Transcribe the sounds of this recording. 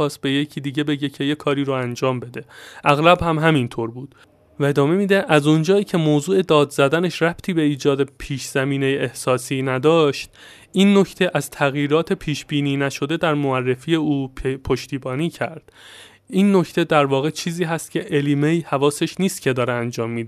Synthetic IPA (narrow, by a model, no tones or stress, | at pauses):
ɒːst̪̚be̞jecʰiːd̪iːɟe̞be̞ɟecʰe̞jekʰɒːɾiːɾoænd͡ʒɒːmbe̞d̪e̞ʔæɣlæbhæmɦæmint̪ʰoɾbuːd̪̥ | væe̞d̪ɒːme̞miːd̪eʔæzond͡ʒɒːiːcʰe̞moːzuːe̞d̪ɒːd̪zæd̪æne̞ʃræb̥t̪ʰiːbe̞iːd͡ʒɒːd̪epʰiːʃz̥æmiːne̞jeʔehsɒːsiːnæd̪ɒːʃt̪̚ | ʔiːnːocʰt̪ʰe̞ʔæz̥t̪ʰæɣjiːɾɒːt̪ʰe̞pʰiːʃb̥iːniːnæʃo̞d̪e̞d̪æɾmoærːe̞fiːje̞uːpʰoʃt̪ʰiːbɒːniːcʰæ̰ɾd̪̥ | inːocʰt̪ʰe̞d̪æɾvɒːɣet͡ʃʰiːziːɦæst̪̚cʲʰe̞ʔelimeihævɒːse̞ʃniːst̪̚cʰe̞d̪ɒːɾeænd͡ʒɒːmːiːd̪e